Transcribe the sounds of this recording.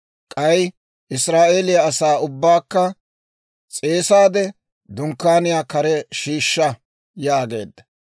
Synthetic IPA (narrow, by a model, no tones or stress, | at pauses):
kʼɐj | ʔɪsɾaːʔeːlɪjɐɐsaːʊbːaːkːɐ | t͡sʼe̞ːsaːd̪ɛ | d̪ʊŋkːaːnɪjaːkɐɾɛʃiːʃːɐ | jaːɡe̞̰ːd̪ːɐ̥